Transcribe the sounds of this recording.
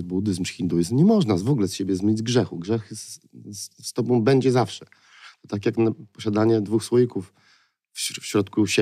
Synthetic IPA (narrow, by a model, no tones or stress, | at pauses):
bud̪ɘzmxʲind̪ujizmɲɛmɔʐnavɔɡulɛsɕebʲjɛzmʲeɲid͡ʑɡʐɛxuɡʐɛxsst̪ɔbɔ̃w̃bɛɲd͡ʑɛzafʂɛ | t̪ɔt̪ak̬ʲjaknapɔɕad̪aɲɛd̪vuxswɔjikuf | fɕɾɔt̪kuɕɛ